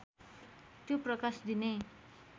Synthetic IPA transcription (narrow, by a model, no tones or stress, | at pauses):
t̪joprʌkasd̪ine